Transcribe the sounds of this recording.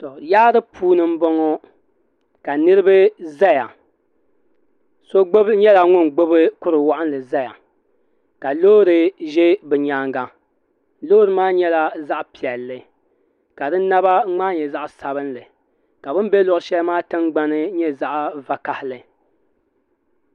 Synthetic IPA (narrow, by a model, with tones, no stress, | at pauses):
tɔ˨jaː˦dɨ˦pʰuː˦nɨ˦m̩˦bɔ˦ŋɔ˦ | ka˨nɨ˦ɾɨ˦bɨ˦za˦ja˨ | so˦ɡ͡bo˦bɲɛ˦la˨ŋʊ˦nɡ͡bo˦bɨ˦kʊ˦ɾɨ˨wa˦ʔɨ˦n˦lɨ˨za˦ja̰˨ | ka˨loː˦ɾɨ˨ʒɛ˦bɨ˨ɲaː˨˦ŋɡa˦ | lo˦ɾɨ˦maː˦ɲɛ˦la˨za˦ʔpi˨ɛ˨lːɨ˨ | ka˨dɨ˦na˦ba˦ŋ͡maː˦ɲɛ˨za˦ʔsa˨bɨ˦nlɨ˨ | ka˨bɨ˦m˦bɛ˦lʊ˨ʔʊ˨˦ʃɛ˦lmaː˦tɨ˦ŋɡ͡ba˦nɨ˦ɲɛ˦za˦ʔva˦ka˨hɪ˦lɨ˨